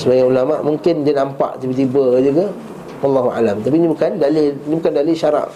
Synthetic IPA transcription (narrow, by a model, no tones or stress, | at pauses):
səbaɡaulamaʔmũŋkɪndianampa̰ʔt̪ibət̪̬ibəd͡ʒuɡa | wɑlːaɦua̰lamt̪apinibukandalɪlnibukandalɪʃaɾa̰ʔ